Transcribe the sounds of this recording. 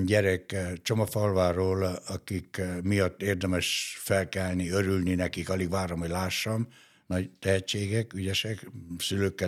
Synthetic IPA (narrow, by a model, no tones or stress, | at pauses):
ɲɟɛɾɛkt͡ʃomofɒlvaːroːlɒkikmijɒt̪ːeːrd̪ɛmɛʃfɛlkɛlniøɾylninɛkikɒliɡʋaːɾomɦoɟlaːʃːɒm | nɒɟt̪ɛɦɛt͡ʃːeːɡɛkyɟɛʃɛksyløːkːɛ